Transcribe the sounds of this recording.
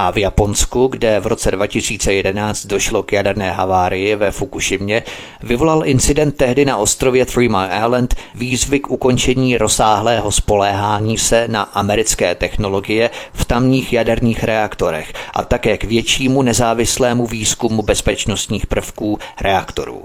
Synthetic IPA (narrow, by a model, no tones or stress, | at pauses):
ʔavjapo̞nskuɡdɛvɾo̞t͡sɛdvacɪsiːt͡sɛjɛdɛnaːt͡st̪̚do̞ʃlo̞kjadɛɾnɛːɦavaːɾɪjɪvɛfukuʃɪmɲɛ | vɪvo̞lalʔɪnt͡sɪdɛnt̪̚ːɛɦdɪnaʔo̞st̪ɾo̞vjɛθɾiːmaʔa̰lɛnt̪viːzvɪkʔuko̞nt͡ʃɛɲiːɾo̞saːɦlɛːɦo̞spo̞lɛːɦaːɲiːsɛnaʔamɛɾɪt͡skɛːt̪ɛxno̞lo̞ɡɪjɛft̪amɲiːxjadɛɾɲiːxɾɛakt̪o̞ɾɛ̰xʔa̰t̪akɛːkvjɛt͡ʃiːmunɛzaːvɪslɛːmuviːskumubɛspɛt͡ʃno̞st̪ɲiːxpr̩fkuːɾʔɛakt̪o̞̰ɾṵː